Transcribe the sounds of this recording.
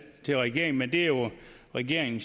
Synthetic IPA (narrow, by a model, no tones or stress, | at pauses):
t͡sʰe̝lʁɛɡ̥e̝ɐ̰eŋn̩mend̥e̝ɐjo̝ʁɛɡ̥e̝ɐ̰eŋn̩s